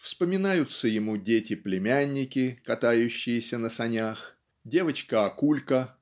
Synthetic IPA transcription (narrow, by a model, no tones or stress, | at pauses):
fspəmʲɪnajʊt̪səjɪmudʲetʲɪplʲɪmʲanʲːɪkʲɪkɐt̪ajʉɕːɪjɪsʲənəsɐnʲax | dʲe̞vət͡ɕkəɐkulʲkə